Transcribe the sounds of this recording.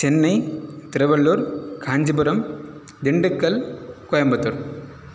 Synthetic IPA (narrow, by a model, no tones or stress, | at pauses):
t͡ʃɛnːɐɪt̪ɪɾɐʋɐɭːuːɾkʰaːɲd͡ʒɐbʊɾɐm | d̪ɪɳɖɯkːɐlkɔjɐmbɐt̪ːuɾ